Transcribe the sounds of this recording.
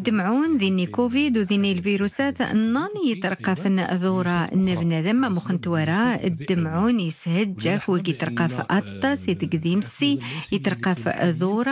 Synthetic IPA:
d̪ːəmʕunðinikuvid̪wðinilviɾusæt̪nːɑnijət̪ɾˤqːɑfnðˤuɾˤɑnːəbnæðəmːæmuxənt̪wæɾˤɑə̰d̪ːəmʕunjəshəd̪ʒækwəɡit̪ɾˤqɑfʔɑt̪ˤːɑsit̪əɡd̪imsijət̪ɾˤqɑfðuɾˤɑ

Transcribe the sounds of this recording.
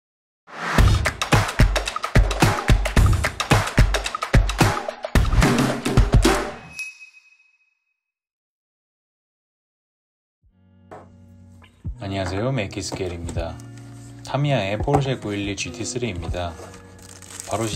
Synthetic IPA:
aɲiŋasʰe̞jomekʰisʰɯ̥keɾimɲida | tʰamiaepʰoɭs̬ʰekuilːit͡ɕɥitʰis͈ɯɾeimɲida | paɾoɕ

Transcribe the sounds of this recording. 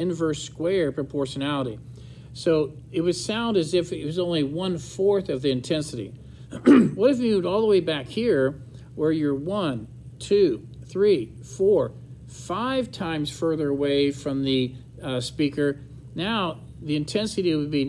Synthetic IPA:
ɨ̃nvɜ˞skwɛɹpʰɹ̥ɨpʰɔɹʃɨnælˠəɾi | soʊ | ɨt̚wʌd̥sãʊ̃ndɨzɪfɨt̚wʌzõʊ̃nliwʌ̃nfɔɹθʌvðiɨ̃ntʰɛ̃nsɨɾḭ | wʌɾɨvjɨmʉvdɔlˠðəweɪbækhiɹ | wə˞jə˞wʌ̃n | tʰʉ | θɹi | fɔɹ | faɪv̥tʰãɪ̃mz̥fɜ˞ðə˞əweɪfɹʌ̃mðɨ | spikə˞ | naʊ | ðiɨ̃ntʰɛ̃nsɨɾiwɨd̚bi

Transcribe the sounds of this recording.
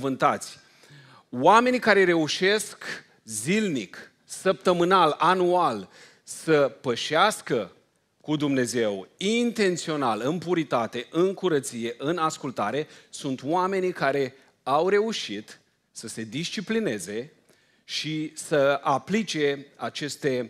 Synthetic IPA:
vɨnt̪at̪sʲ | wame̞nikaɾe̞ɾe̞uʃe̞sk | zilnik | səp̚t̪əmɨnalanual | səpəʃaskə | kud̪umne̞ze̞wint̪e̞nt̪sio̞nalɨmpuɾit̪at̪e̞ʔɨŋkuɾət̪sije̞ʔɨnaskult̪aɾe̞sunt̪oame̞nikaɾe̞ | awɾe̞uʃit̪ | səse̞d̪ist͡ʃipline̞ze̞ | ʃisəaplit͡ʃe̞at͡ʃe̞st̪e̞

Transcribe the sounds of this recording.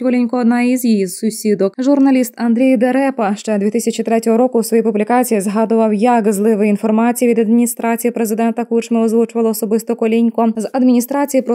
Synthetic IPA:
kɔlʲinʲkɔːd̪nɑizjijisʊsʲid̪ɔkʒʊrnɐlʲist̪ɐnd̪ɾʲijd̪eɾɛpɐʃt͡ʃɛd̪ʲʋʲit̪ɪsʲɐt͡ʃʲit̪ɾɛtʲɔɦɔɾɔkʊsʋɔjipʊblʲikɑt͡sʲijizɦɑd̪ʊʋɐwjɐkzlˠɪʋɪinfɔrmɑt͡sʲijiʋʲid̪ɐd̪mʲinʲist̪ɾɑt͡sʲijipɾezɪd̪ɛnt̪ɐkut͡ʃmɪɔzʋut͡ʃʊʋɐlˠɔːsɔbɪst̪ɔkɔlʲinʲkɔzɐd̪mʲinʲist̪ɾɑt͡sʲijipɾɔ

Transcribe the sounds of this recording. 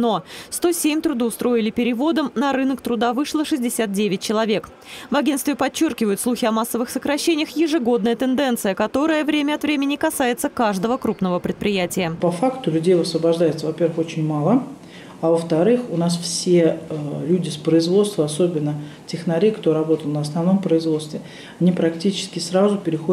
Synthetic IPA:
no̞st̪o̞sʲemʲt̪ɾʊd̪ɨʊst̪ɾo̞ɪlʲɪpʲɪɾʲɪvo̞d̪əmnɐɾɨnəkt̪ɾʊd̪avɨʂlˠəʂɨzʲdʲɪsʲat̪̚dʲevʲɪt̚ʲt͡ɕɪlˠɐvʲe̞k | vɐɡʲenst̪vʲɪpɐt͡ɕːo̞rkʲɪvəjʊt̪slˠuxʲɪɐmasːəvɨxsəkɾɐɕːenʲɪjəxjɪʐɨɡo̞d̪nəjət̪ɨnd̪ɛnt̪sɨjəkɐt̪o̞ɾəjəvɾʲemʲəɐt̪vɾʲemʲɪnʲɪkɐsajɪt̪səkaʐd̪əvəkɾupnəvəpɾʲɪt̪pɾʲɪjætʲɪjəpɐfakt̪ʊlʲʉdʲejvəsvəbɐʐd̪ajɪt̪səvɐpʲe̞rvəxo̞t͡ɕɪnʲmalˠə | avəft̪ɐɾɨxʊnasfsʲelʲudʲɪspɾəɪzvot̪st̪vəɐso̞bʲɪnːə | tʲɪxnɐɾʲekt̪oɾɐbo̞t̪əlnəɐsnɐvno̞mpɾəɪzvo̞t̪st̪vʲɪ | ɐnʲipɾɐktʲit͡ɕɪ̥skʲɪsɾazʊpʲɪɾʲɪxo

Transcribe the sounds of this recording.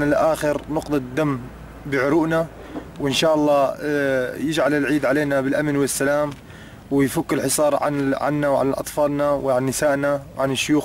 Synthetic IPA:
alɪʔaːxɪɾnʊqt̪ˤɑd̪ːamː | bɪʕʊɾuːʔna | wʔɪnʃaːʔɑlˤːɑː | jɪd͡ʒʕalɪlʕiːd̪ʕaleːnabɪlʔamnwɪsːalaːm | wɪjfʊkːɪlħɪsˤɑːɾˤʕa̰nʕa̰nːawʕa̰lalʔɑ̰t̪ˤfɑːlnawɪʕanːɪsaːʔnawʕanɪʃːʊjuːx

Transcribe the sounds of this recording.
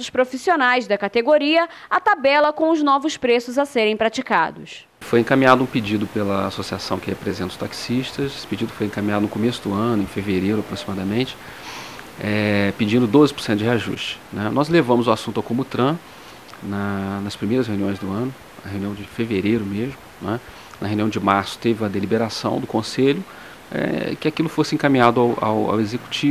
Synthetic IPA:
ʊspɾofisionajzd̪ɐkat̪eɡoɾiɐat̪abɛlɐkõʊznɔvʊspɾesʊzɐseɾẽj̃pɾat͡ʃika̰d̪ʊs | fojẽkamĩad̪ʊũpid͡ʒid̪ʊpelɐa̰sosiasɐ̃w̃kɪhepɾezẽnt̪ɐʊt̪aksiʃt̪ɐsesɪ̥pid͡ʒid̪ʊfojẽkamĩɲad̪ʊnʊkomesʊd̪ʊɐ̃nʊẽfeveɾejɾʊapɾosimad̪ɐmẽnt͡ʃɪ̥ | ɛpɪd͡ʒĩnd̪ʊd̪ozɪpʊɾsẽt̪ʊd͡ʒɪhɦeaʒṵʃt͡ʃɪ̥nɛnɔzlevɐ̃mʊzʊasũt̪awkõmʊt̪ɾɐ̃ | nɐnɐspɾimejɾɐsheũniõj̃zd̪ʊɐ̃nʊ | ɐhew̃niɐ̃w̃d͡ʒɪfeveɾejɾʊmezmʊnɛ | nɐhewniɐ̃w̃d͡ʒɪmaɾsʊ̥t̪evɪũmɐd̪elibeɾasɐ̰̃w̃d̪ʊkõseʎʊ | ɛ̰kɪakilʊfosɪẽkamĩɲad̪ʊawʔa̰wa̰wezeku̥t͡ʃi

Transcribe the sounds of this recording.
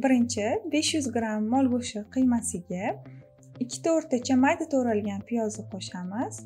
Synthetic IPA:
bɪɾɪnt͡ʃʰɪbe̞ʃjʊzɡɾamːɒlˠɡoʃɪqʰɨjmasɪɡʲa | ɪkʲʰːɪ̥t̪ʰoɾt̪at͡ʃʰamajd̪at̪ʰoɾalɡʲanpʰɪjɒzɪqʰɒʃamɪz̥

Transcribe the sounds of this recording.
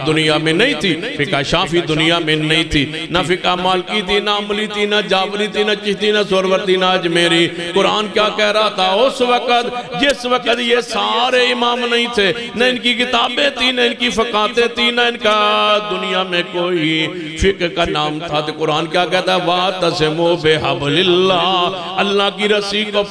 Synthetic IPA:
d̪ʊnɪjaːmẽnɐĩːt̪ʰiːfɪkaːʃaːfid̪ʊnɪjaːmẽnəĩːt̪ʰiː | nafɪkamaːlkit̪ʰiːnaːmʊliːt̪ʰiːnad͡ʒaːʋɾiːt̪ʰiːnat͡ʃɪɦt̪iːnasoːɾʋəɾt̪iːnaːd͡ʒmeːɾiːkʊɾaːnkjaːkɛːɾaːt̪ʰaːʊsʋəkət̪d͡ʒɪsʋəkət̪jesaːɾeːɪmaːmnɐɦĩːt̪ʰeː | nəɪnkikɪt̪aːbẽːt̪ʰiːnəɪnkipəkaːt̪ẽt̪ʰiːnaɪnkad̪ʊnijaːmẽkoːi | fʰɪkɾkaːnaːmt̪ʰaːt̪ekʊɾaːnkjaːkɛːt̪aʋaːt̪ɐsemobeːɦəblɪlːaː | əlːaːkiːɾəsiːkoː

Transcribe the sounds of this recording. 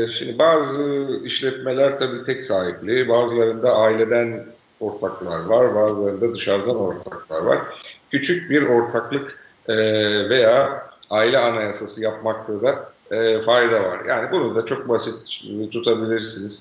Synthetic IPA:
ʃimd̪ibaːzɯiʃlʲɛt̪me̞lʲæɾt̪ʰabiːt̪ʰɛcsaːɦiplʲibaːzɯlˠaɾɯnd̪aʔaːilʲe̞d̪æn | o̞ɾt̪ʰaklˠaɾvaɾbaːzɯlˠaɾɯnd̪ad̪ɯʃaɾd̪ano̞ɾt̪ʰaklˠa̰ɾva̰ɾ̥cʰyt͡ʃʰyc̚biɾo̞ɾt̪ʰaklˠɯk | ɛve̞jaːaːilʲɛanajasasɯjap̚maklˠaɯd̪a | fajd̪ava̰ɾja̰ːnibunud̪at͡ʃʰo̞k̚basit̪ːt̪ʰːut̪ʰabilʲiɾsiniz̥

